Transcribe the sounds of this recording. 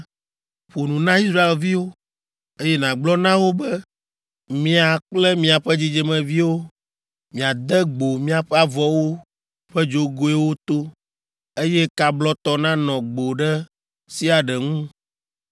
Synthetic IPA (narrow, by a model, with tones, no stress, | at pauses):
ɸo˨nũ˨nã˦i˦s̬ɾa˦e˨lvi˦wo˦ | e˦jɛ˦nã˨ɡ͡blɔ˦nã˦wo˦bɛ˦ | mĩ˦a˨k͡plɛ˦mĩ˦a˨ɸɛ˦d͡ʑi˦d͡ʒɛ˨mɛ̃˨vi˦wo˦ | mĩ˨a˨d̪ɛ˦ɡ͡bo˨mĩ˦a˨ɸɛ˦a˨vɔ˦wo˦ | ɸɛ˦d͡ʒo˦ɡo˦ɛ˦wo˦t̪o˦ | e˦jɛ˦ka˨blɔ˦t̪ɔ˦nã˦nɔ̃˨ɡ͡bo˨ɖɛ˦ | si˦a˨ɖɛ˨ŋũ˦